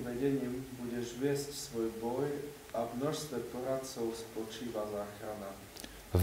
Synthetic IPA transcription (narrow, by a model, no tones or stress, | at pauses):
vɛɟɛɲiːmbuɟɛʒvjɛscsvɔjboj | ʔavnɔʃst̪vɛpoɾat͡sowspot͡ʃiːvazaːxɾana | v